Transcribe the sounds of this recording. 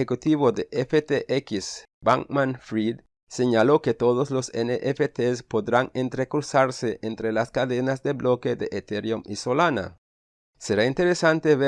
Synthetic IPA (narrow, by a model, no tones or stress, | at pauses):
ekut̪iβod̪eʔefet̪eʔekis | baŋmãnfɾid̪ | seɲaloket̪oðozloseneʔefet̪espoðɾaŋẽnt̪ɾekuɾsaɾseʔẽnt̪ɾelaskaðenazd̪eβloked̪eʔet̪eɾjomisolana̰ | seɾaint̪eɾesant̪eβe